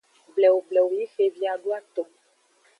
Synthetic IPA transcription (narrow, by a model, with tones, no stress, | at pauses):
blɛ˨wblɛ˨wji˦fe˨vi˦a˨ɖu˦a˦t̪o˨